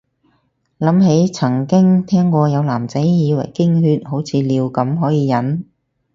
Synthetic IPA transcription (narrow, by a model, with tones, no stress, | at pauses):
lɐ˨˥mɦe˨˥jt͡sʰɐ˨˩ŋkɪ˥ŋt̪ʰɛː˥ŋkʷɔː˧jɐ˨˧wlaː˨˩mt͡sɐ˨˥jjiː˨˧wɐ̰˨˩jkɪ˥ŋhyː˧t̚ho˨˥wt͡sʰiː˨˧liː˨˧wkɐ˨˧˥mɦɔː˨˥jiː˨˧jɐ˨˥n